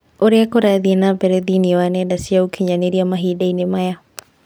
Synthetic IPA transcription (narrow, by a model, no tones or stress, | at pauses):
oɾeakoɾaðiɛnabɛɾɛðiniɔwanɛdasiaokʰiɲaneɾiamaɦidainemaja